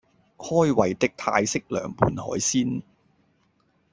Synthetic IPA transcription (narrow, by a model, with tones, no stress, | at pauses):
hɔː˥jwɐ˨˩jt̪ɪ˥k̚t̪ʰa̰ː˧jsɪ˥k̚lœ̰ː˨˩ŋpuː˨˧nhɔ̰ː˨˥jsiː˥n